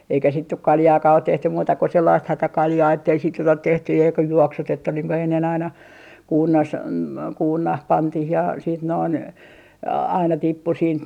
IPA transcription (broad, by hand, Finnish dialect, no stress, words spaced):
eikæ sit nyk kɑljɑːkɑː ot tehtym muːtɑ ko selːɑist hætækɑljɑː etːei sit nyt ot tehty jɑ jokɑ juoksutetːu niːŋ ku enːen ɑinɑ kuːrnɑs kuːrnɑh pɑntih jɑ siːt noin ɑinɑ tipːu siːnt